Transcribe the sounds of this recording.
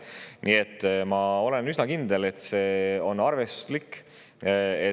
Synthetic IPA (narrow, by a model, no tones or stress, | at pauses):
nʔie̞t̪ːmɑo̞le̞nysnɑkind̪e̞le̞t̪ˑse̞ːo̞nːɑrve̞slikː | e